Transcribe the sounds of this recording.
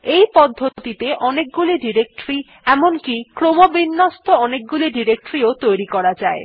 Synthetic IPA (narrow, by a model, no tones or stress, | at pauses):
ejpɔd̪ʱːot̪it̪eʔɔnek̚ɡuliɖiɾek̚ʈɾi | ɛmonkikɾomobinːost̪ʰoɔnek̚ɡuliɖiɾek̚ʈɾiot̪ojɾikɔɾad͡ʑae